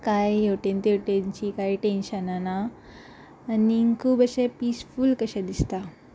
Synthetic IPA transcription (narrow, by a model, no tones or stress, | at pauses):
kajewʈent̪ewʈent͡ɕikaiʈenɕənanaː | niŋkʰuːbəɕepiːsfulkəɕed̪ist̪a